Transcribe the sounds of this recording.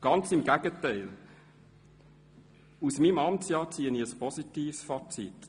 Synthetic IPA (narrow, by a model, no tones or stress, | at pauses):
ɡ̥ɑnt͡sɪmɡæɡ̥ətæɪl | usmimɑmt͡sjɑːt͡siːəniəspʰɔsit̪iːfsfɑt͡sḭt